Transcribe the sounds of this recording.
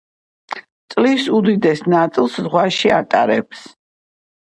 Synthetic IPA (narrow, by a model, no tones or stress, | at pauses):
t̪sʼlisud̪id̪ɛsnat̪sʼilˠszʁwaʃiat̪ʼaɾɛ̰ps